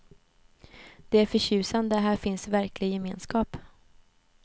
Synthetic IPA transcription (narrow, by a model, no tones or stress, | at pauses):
d̪̥ɛæɾfœɕʉ̟ːsand̪əɦæːɾfɪnsvæɾklɪɡjɛmeːnskɑːp